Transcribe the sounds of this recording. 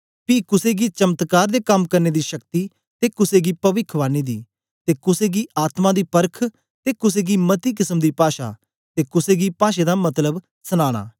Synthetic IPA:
piːkʊseːɡiːt͡ʃɐmət̪kaːɾd̪eːkɐmkɐɾneːd̪iːʃəkt̪iː | t̪eːkʊseːɡiːpɐʋɪkʰʋaːniːd̪ḭː | t̪eːkʊseːɡiːʔaːt̪mãːd̪iːpəɾkʰ | t̪eːkʊseːɡiːmət̪iːk̬ɪsəmd̪iːpaːʃa̰ː | t̪eːkʊseːɡiːpaːʃeːd̪aːmɐt̪ləb | səñaːɽ̃a̰ː

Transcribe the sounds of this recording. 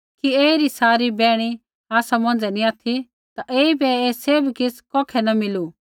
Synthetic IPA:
kieːiɾisaːɾibɛːɽ̃i | aːsamɐ̃nd͡zɛniaːt̪ʰi | t̪aʔeːibɛeːseːbkɪskɔːkʰɛnɐmɪlu

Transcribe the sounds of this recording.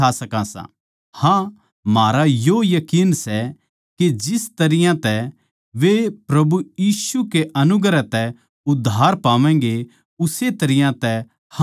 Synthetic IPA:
asɐkãsã̰ | hã | maːɾajojɐkiːnsɛ | ked͡ʒɪst̪ɐɾɪjãt̪ɛ | ʋepɾɐbujiːsukeʔɐnʊɡɾɛt̪ɛ | ʊd̪ʱːaːɾpaːʋɛ̃ːɡe | ʊset̪ɐɾɪjãt̪ɛ | h

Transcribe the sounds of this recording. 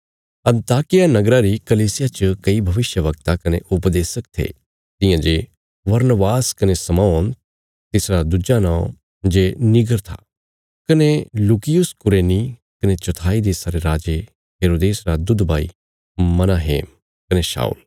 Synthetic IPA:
ɐ̃nt̪aːkɪjanɐɡɾaɾikɐliːsɪjat͡ʃəkɐibʱɐʋɪʃjəʋɐk̚t̪akɐneʔʊpd̪eːsək̚t̪ʰḛ | t̪ɪ̃jãd͡ʒe | ʋɐɾnəʋaːskɐnesɐmɔːn | t̪ɪsɾad̪ud͡ʒanãːõ̰ | d͡ʒenɪɡəɾt̪ʰa̰ | kɐneluːkɪjʊskʊɾeːnikɐnet͡ʃɐt̪ʰaːid̪eːsaɾeɾaːd͡ʒe | ɦeːɾoːd̪eːsɾad̪ʊd̪bʱaːḭ | mɐnaːɦḛːm | kɐneʃa̰ːṵːl

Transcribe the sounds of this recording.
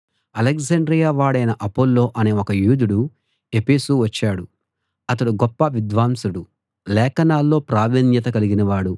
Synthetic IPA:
ɐlekzɐɳɖɾijaːʋaːɽɐjnɐʔɐpːolːo̞ːʔɐne̞ːokɐjuːd̪uɽu | e̞peːsuʋɐt͡ʃːaːɽu | ɐt̪̬ɐɽuɡɔpːɐʋid̪ʋaːmsuɽu | lɛːkɐnaːlːo̞ːpɾaːʋiːnjɐt̪̬ɐkɐliɡinɐʋaːɽu

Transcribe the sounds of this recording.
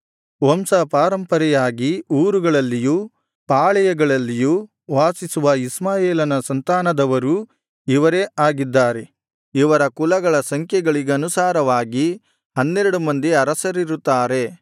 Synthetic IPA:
ʋɐmsɐpaːɾɐmpɐɾɛjaːɡiuːɾuɡɐɭɐlːijuː | paːɭɛjɐɡɐɭɐlːijuː | ʋaːsisuʋɐismaːjeːlɐnɐsɐnt̪aːnɐd̪ɐʋɐɾu | iʋɐɾeːaːɡid̪ːaːɾe̞ | iʋɐɾɐkulɐɡɐɭɐsɐŋkʰjɛɡɐɭiɡeɐnusaːɾɐʋaːɡi | ɦɐnːeɾɐɽumɐnd̪iɐɾɐsɐɾiɾut̪ːaːɾe̞

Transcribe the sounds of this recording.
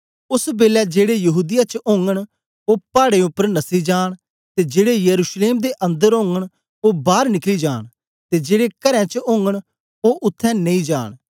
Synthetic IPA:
ʊsbeːlɛːd͡ʒeːɽejəɦuːd̪ɪjaːt͡ʃʊ̃ŋɡəɽ̃ | oːpaːɽeːʊpːəɾnəsiːd͡ʒaːɽ | t̪eːd͡ʒeːɽejəɾuːʃleːmd̪eːʔə̃nd̪əɾõːŋɡəɳ̃ | oːbaːɾnɪkliːd͡ʒaːɳ̃ | t̪eːd͡ʒeːɽeːkəɾɛ̃ːt͡ʃəʊ̃ŋɡəɽ̃ | oːʔʊt̪ʰːɛ̃ːnəĩːd͡ʒa̰ːɽ̃

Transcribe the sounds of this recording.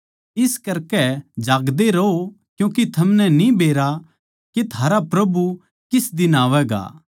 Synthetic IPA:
ɪskɐɾkɛd͡ʒaːɡd̪eɾɐo | kjũːkit̪ʰɐmnɛnĩbeːɾa | ket̪ʰaːɾapɾɐbu | kɪsd̪ɪnaːʋɛɡa̰ː

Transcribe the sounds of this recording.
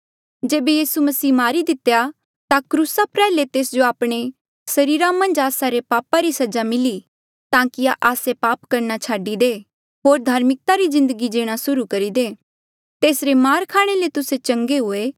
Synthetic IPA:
d͡ʒeːbejiːsumɐsiːmaːɾid̪ɪt̪eja | t̪akɾuːsapɾɛːlet̪eːsd͡ʒoaːpɽ̃e | sɐɾiːɾãmɐ̃nd͡ʒaːsaɾepaːpaɾisɐd͡ʒamɪli | t̪ãːkiaʔaːsepaːpkɐɾnat͡ʃʰaːɖid̪eː | ɦoːɾd̪ʱaːɾmɪk̚t̪aɾizɪ̃nd̪əɡid͡ʒeːɽ̃asʊɾukɐɾid̪eː | t̪eːsɾemaːɾkʰaːɽ̃elet̪ʊset͡ʃɐ̃ŋɡeɦʊeː

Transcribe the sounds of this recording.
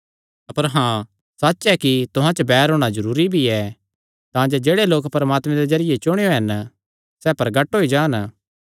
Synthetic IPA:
ɐpəɾɦãː | sɐtːʃɛkit̪ʊɦãt͡ʃəbɛːɾɦoːɽ̃ad͡ʒɐɾuːɾibʱiɛ | t̪ãːd͡ʒod͡ʒeːɽeloːkpɐɾɐmaːt̪mɛ̃d̪ed͡ʒɐɾɪjet͡ʃʊɽ̃eoɦɛn | sɛːpɐɾɡɐʈɦoːid͡ʒaːn

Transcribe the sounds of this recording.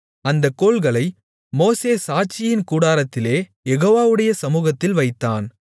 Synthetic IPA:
ɐnd̪ɐkːoːlɣɐɭɐɪ | moːseːsaːt͡ʃɪjɪnkuːɽaːɾɐt̪ːɪleːjɛɣoːʋaːʋɯɽɐjɐsɐmuːɣɐt̪ːɪlʋɐɪt̪ːaːn

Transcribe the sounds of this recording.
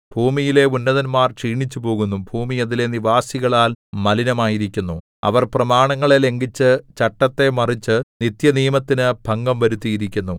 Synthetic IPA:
b̥ʱuːmijile̞unːɐðɐnmaːrt͡ɕiːɳit͡ɕːupo̞ːɣunːumbʱuːmijɐðile̞niʋaːsiɣɐɭaːlmɐlinɐmaːjiɾikʲːunːu | ɐ̰ʋɐrprɐmaːɳɐŋːɐɭele̞ŋɡit͡ɕːɨt͡ɕɐʈːɐt̪ːe̞mɐrit͡ɕːɨnit̪jɐniːmɐt̪ːinɨb̥ʱɐŋɡɐmʋɐɾut̪ːijiɾikʲːunːu

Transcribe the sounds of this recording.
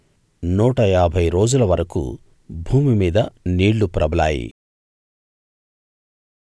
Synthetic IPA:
nuːʈɐjaːbʱɐjɾo̞ːd͡ʒulɐʋɐɾɐkṵ | bʱuːmimiːd̪ɐniːɭːupɾɐbɐla̰ːjḭ

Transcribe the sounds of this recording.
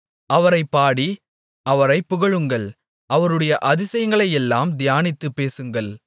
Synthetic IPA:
ʔɐʋɐɾɐɪpːaːɽi | ʔɐʋɐɾɐɪpːʊɣɐɻɯŋɡɐɭ | ʔɐʋɐɾɯɽɐjɐʔɐðɪsɐjŋɡɐɭɐjɛlːaːmd̪ɪjaːnɪt̪ːɯpːeːsɯŋɡɐɭ

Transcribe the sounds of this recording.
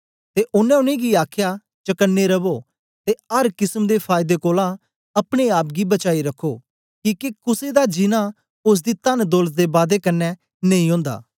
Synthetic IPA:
t̪eːʔʊnɛ̃ːʊnẽːɡiaːkʰjaː | t͡ʃəkənːeɾəboː | t̪eəɾkɪsəmd̪eːpʰaːjɪd̪ekoːlã | ɐpɽ̃eaːpɡibət͡ʃaːiɾəkʰːoː | kiːkekʊsed̪ad͡ʒɪnã | ʊs̬d̪iːt̪ənd̪olət̪̚d̪eːbaːd̪ekənːɛ | neĩɦõːnd̪a̰ː

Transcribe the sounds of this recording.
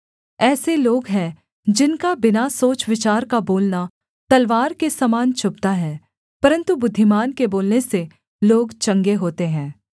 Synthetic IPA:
ɛːseloːɡɦɛ̃ | d͡ʒɪnkabɪnasoːt͡ʃʋɪt͡ʃaːɾkaboːlna | t̪ɐlʋaːɾkesɐmaːnt͡ʃʰʊp̚t̪aɦɛː | pɐɾə̃nt̪ubʊd̪ʱːɪmaːnkeboːlnese | loːɡt͡ʃɐ̃ŋɡeɦoːt̪eɦɛ̃ː

